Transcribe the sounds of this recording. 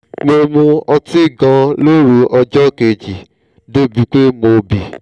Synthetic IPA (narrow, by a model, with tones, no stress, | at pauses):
mo˧mũ˧ɔ˧ti˦˨ɡã˧lo˦ɾu˧ʔɔ˧d͡ʒɔ˦˨ke˨d͡ʒi˨ | do˦bi˨k͡pe˦mo˧bi˨